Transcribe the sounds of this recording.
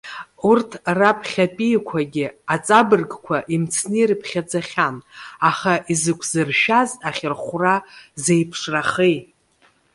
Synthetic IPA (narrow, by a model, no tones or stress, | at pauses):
urtʰrapʰχʲapʼijkʷʰaɡʲɪat͡sʼabɨrɡkʷʰaʔimt͡sʰnɨirɨpʰχʲad͡zaχʲanaχaʔizɨkʷʰzɨrʃazaχʲɪrχʷrazejpʰʂraχej